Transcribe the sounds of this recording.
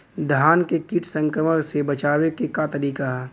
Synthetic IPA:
d̪ʱaːnkekiʈʰsə̃ŋkɾəməksebɐt͡ʃaːwekekat̪ɐɾiːkaɦɛː

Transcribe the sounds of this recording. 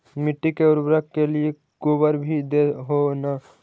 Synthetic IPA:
mɪʈːikeʊɾbɾəkːelie | kobəɾbʱid̪eɦona

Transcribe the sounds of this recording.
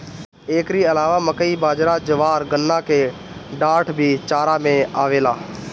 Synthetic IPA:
eːkɾiəlaːʋaːməkəiːbaːd͡ʒɾaːd͡ʒəʋaːɾɡənːãːkʰeː | ɖaːʈʰbʱiːt͡ʃaːɾaːmẽaːʋeːlaː

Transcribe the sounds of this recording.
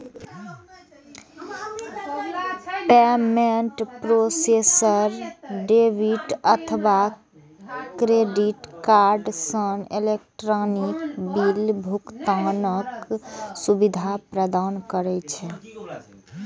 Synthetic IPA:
pɛmeɳʈpɾosesəɾɖebʱiʈət̪ʰba | kɾeɖiʈkaɾɖsənelek̚ʈɾɔnikbilbʱukt̪anəksubid̪ʱapɾəd̪ankəɾɛt͡ʃʰɛ

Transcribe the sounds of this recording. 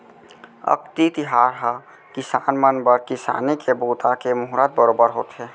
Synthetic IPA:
ə̰kt̪it̪iɦaːɾɦə | kisaːnmənbəɾkisa̰ːnikʰebuːt̪akemʊɦɾət̪̚bəɾoːbəɾɦo̰t̪ɦɛ

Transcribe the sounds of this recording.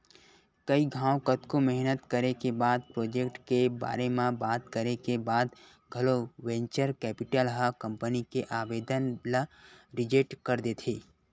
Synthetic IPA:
kɐiɡʱãːwkət̪komɛɦnət̪kəɾekebaːd̪̚pɾoːd͡ʒekʈkeba̰ːɾemãbaːt̪kəɾekebaːd̪ | ɡʱɐloʋẽɲt͡ʃəɾkɛːpɪʈəlɦəkɐ̃mpənikeʔaːbeːd̪ənləɾɪd͡ʒeʈkəɾd̪et̪ʰeː

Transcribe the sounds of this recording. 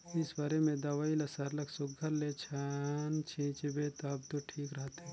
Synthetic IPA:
ɪsbaːɾemẽd̪ɐʋaːilɐsəɾlɐksʊɡʱːəɾlet͡ʃʰaːnt͡ʃʰĩːt͡ʃbet̪ɐb̚t̪oʈʰiːkɾəɦt̪ɦɛ̃

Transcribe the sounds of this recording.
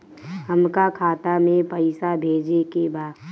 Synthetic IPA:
ɦəmkakʰaːt̪amẽpəɪsabʱeːd͡ʒekebaː

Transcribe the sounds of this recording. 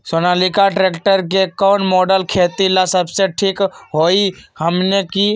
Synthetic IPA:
soːnaːlikaʈɾeːkʈəɾk̬ekɔːnmoːɖəlkʰeːt̪ilasəbseʈʰiːkɦoːihəmneki

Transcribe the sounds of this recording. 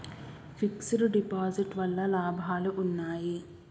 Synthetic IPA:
fiksuɾuɖipaːziʈʋɐlːɐlaːbʱaːluʔunːaːji

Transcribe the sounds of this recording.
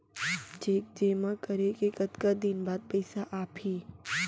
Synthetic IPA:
d͡ʒeːk̚d͡ʒeːmãkəɾekekɐt̪kad̪ɪnbaːd̪̚pɐɪsaʔaːphiː

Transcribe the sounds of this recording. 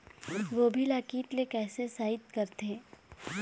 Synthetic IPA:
ʋoːbʱilaːkiːt̪lekɛːsesaːɪt̪̚kɐɾt̪ʰeː

